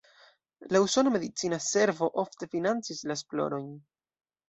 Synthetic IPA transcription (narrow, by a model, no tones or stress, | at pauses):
lauso̞nome̞dit͡sinase̞ɾvo̞ʔo̞fte̞finant͡sislaesplo̞̰ɾo̞jn